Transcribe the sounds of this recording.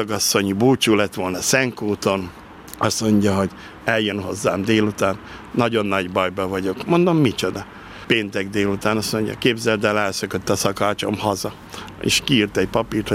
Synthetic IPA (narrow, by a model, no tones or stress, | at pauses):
ɡɒsːo̞ɲibuːt͡ʃuːlɛt̪ʋo̞lnɒsɛŋkuːt̪o̞n | ɒsmo̞ɲɟɒɦo̞ɟ | ɛljønho̞zːaːmd̪eːlut̪aːnː | ɒɟo̞nːɒɟbɒjbɒvɒɟo̞kmo̞nd̪o̞mːit͡ʃo̞d̪ɒ | peːnt̪ɛɡd̪eːlut̪aːnɒsmo̞ɲɟɒ̰keːbzɛld̪ɛlɛlsøkøt̪ːɒsɒkaːt͡ʃo̞̰mhɒzɒ | ḛʃkiːrt̪ɛɟpɒpiːrt̪ho